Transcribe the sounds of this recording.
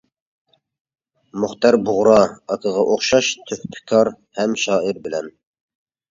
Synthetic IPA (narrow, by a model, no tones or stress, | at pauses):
mʊχt̪ɑɾbʊʁɾɑɑkʰəʁɑʔoχʃɑʃt̪ʰøhpʰɪ̥kʰɑɾ | hɛmʃɑːiɾbɪlɛn